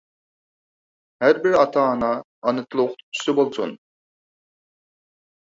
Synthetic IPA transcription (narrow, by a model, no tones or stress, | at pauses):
hæɾbiɾɑt̪ʰɑːnɑː | nɯt̪ʰlˠuq̪t̪ʰy̥sɪbolˠsṵn